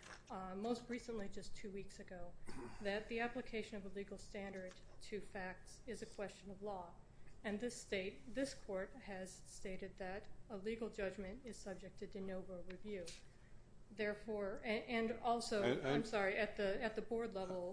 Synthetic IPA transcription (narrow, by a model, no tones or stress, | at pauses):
moʊst̚ɹisə̃nlid͡ʒʌstʰʉwiksɨɡoʊðɨt̪̚ðiæplɨkʰeɪʃɨ̃nʌvəliɡl̩ˠstæ̃ndə˞d̚tʰɨfæk̚tsɨzɨkʰw̥ɛst͡ʃɨ̃nʌvlɔ | ɨ̃nðɪsteɪt̪̚ðɪskʰɔɹt̚hɨz̥steɪɾɨd̪̚ðɨɾəliɡl̩ˠd͡ʒʌd͡ʒmɨ̃ntɨz̥sʌb̚d͡ʒɨk̚tʰɨdɨnoʊvəɹivjʉ | ðɛɹfɔɹɨʔɨ̃nɔlˠsoʊãɪ̃msɑɹiʔɨt̪̚ðɨɨt̪̚ðɨbɔɹdˡlɛvl̩ˠ